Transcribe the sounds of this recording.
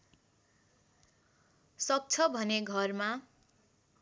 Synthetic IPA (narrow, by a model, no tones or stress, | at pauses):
sʌk̚t͡sʰʌbʱʌneɡʱʌrma